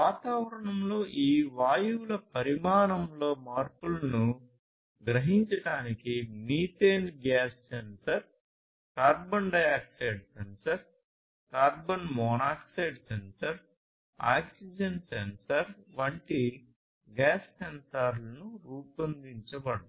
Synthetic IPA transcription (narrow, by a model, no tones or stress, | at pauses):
ʋaːt̪aːʋɐɾɐɳɐmlo̞ːʔiːʋaːjuːlɐpɐɾimaːɾɐmlo̞ːmaːɾpulɐnu | ɡɾɐɦiɲt͡ʃɐʈaːnikimiːt̪eːnɡaːssensɐɾ | kaːɾbɐnɖɐjaːk̚ʈeːɖsensɐɾ | kaːɾbɐnmɔːnaːkseːɖsensɐɾ | a̰ːksid͡ʒɐnsensɐɾʋɐɳʈi | ɡaːssensaːɾlɐnuɾuːpɐnd̪iɲt͡ʃɐbɐɽɐ